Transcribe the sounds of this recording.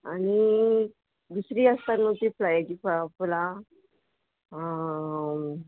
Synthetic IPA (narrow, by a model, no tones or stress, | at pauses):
añi | d̪usɾiːəst̪anũt̪iplajd͡ʑipapla